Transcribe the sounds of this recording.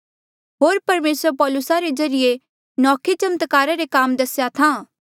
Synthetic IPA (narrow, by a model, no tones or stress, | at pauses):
ɦoːɾpɐɾmeːsəɾpɔːlʊsaɾed͡ʒɐɾɪje | nɔːkʰit͡ʃɐmt̪kaːɾaɾekaːmd̪ɐsjat̪ʰãː